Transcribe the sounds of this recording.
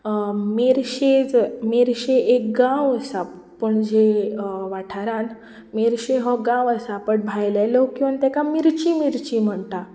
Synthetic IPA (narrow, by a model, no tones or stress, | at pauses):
meɾɕed͡zmeɾɕeʔek̚ɡãwəsa | pəɳd͡ʑeʋaʈʰaɾan | meɾɕeɦɔɡãwəsapəʈ̚bʱajlɛlokĩʋant̪ɛkamiɾt͡ɕimiɾt͡ɕim̤əɳt̪a